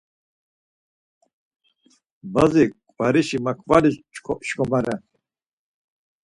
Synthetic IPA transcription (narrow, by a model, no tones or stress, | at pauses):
bazikʼvaɾiʃimakʰvalit͡ʃkʰɔʃkʰɔmaɾɛ